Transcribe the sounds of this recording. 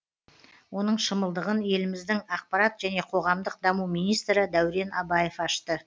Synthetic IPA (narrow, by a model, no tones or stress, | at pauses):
wo̞nəɴʃəməlˠd̪əʁənje̞lɪmɪzd̪ɪŋɑq̚pɑɾɑt̪ʒ̥æne̞qʰo̞ʁɑmd̪əq̚d̪ɑmuwmijnijst̪ɾəd̪æwɾe̞nʔɑ̰bɑje̞fɑʃt̪ə